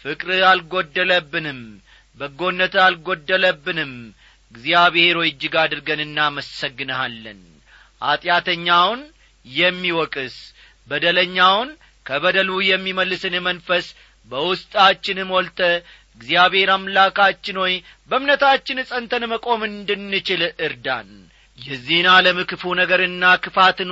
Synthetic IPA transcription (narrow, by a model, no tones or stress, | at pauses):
fɨkʼɾɨalɡo̞d̪ːələbːɨnɨm | bəɡo̞nːət̪alɡo̞d̪ːələbːɨnɨm | ɨɡzjaβhe̞ɾo̞jɨd͡ʒːɪɡad̪ɨɾɡənɨnːaməsəɡːɨnəhalːə̰n | ʔa̰t̪ʼjat̪ʰəɲːawn | jɛmːiwɔkʼɨs | bəd̪ələɲːawn | kʰəβəd̪əlujɛmːiməlːɨsɨnɨmənfəs | bəwʊst̪ʼat͡ʃːɪnɨmɔlt̪ʼə | ɨɡzijaβhe̞ɾamlakʰat͡ʃːɪnwoj | bəmnət̪at͡ʃːɪnsʼənt̪ʰənməkʼo̞mɨnd̪ɨnːɨt͡ʃɪlɨɾd̪a̰n | jɛzenaləmɨkɨfunəɡəɾɨnːakʰɨfat̪n